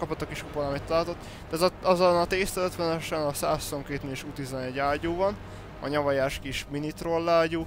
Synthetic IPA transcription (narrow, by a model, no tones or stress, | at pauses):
kɒpot̪ːokiʃkupɒlɒmit̪ːɒlaːlt̪ot̪ːaːt̪ɒɒzonɒt̪eːst̪ɛløt̪ʋɛnɛʃɛnɒsaːssomkeːt̪neʃut̪izɒnɛɟaːɟoːvɒn | ɒ̰ɲɒvɒjaːʃkiʃminit̪rolːaːɟoː